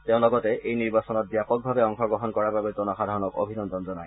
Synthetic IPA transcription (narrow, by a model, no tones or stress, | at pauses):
teʊ̃lɔɡɔtɛʔejniɹbasɔnɔt̚bjapɔk̚bʱabɛɔŋxɔɡɔɦɔnkɔɹababetɔnɔxadʱaɹɔnɔko̰bʱinɔndʱɔnzɔnaj